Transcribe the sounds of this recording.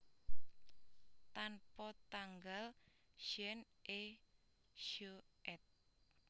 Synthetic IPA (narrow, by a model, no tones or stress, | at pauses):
t̪anpɔt̪aŋɡal | ʃɛnʔe | ʃoʔɛt̪̚